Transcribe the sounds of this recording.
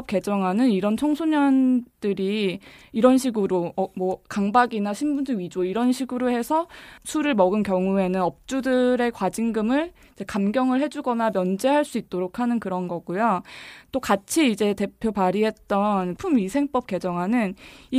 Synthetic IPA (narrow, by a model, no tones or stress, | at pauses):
p̚k͈e̞d͡ʑʌŋɦanɯniɾʌnt͡ɕʰʌŋsʰoɲʌnd̥ɯɾiːɾʌnɕʰiɡɯɾomwʌkaŋbaɡinaɕʰimbundɯɥid͡ʑoiɾʌnɕʰiɡuɾohe̞sʰʌsʰuɾɯɭmʌɡɯnkjʌŋue̞nɯnʌp̚t͡ɕ͈udɯɾe̞kwad͡ʑiŋɡɯmɯɭ | id͡ʑe̞kamɡjʌŋɯɭɦe̞d͡ʑuɡʌnamjʌnd͡ʑeɦaɭs͈uit̚t͈oɾokʰanɯnkɯɾʌnɡʌɡ̥ujot͈okat͡ɕʰiːd͡ʑe̞te̞pʰjopaɾiɦe̞t̚t͈ʌnpʰumisʰe̞ŋp͈ʌp̚k͈e̞d͡ʑʌŋɦanɯni